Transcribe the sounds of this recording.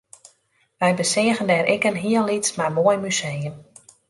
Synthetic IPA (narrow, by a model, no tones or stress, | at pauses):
ʋɛjbəsɪəɣəndɛːɾɪkənɦiəllitsmarmoəjmysejən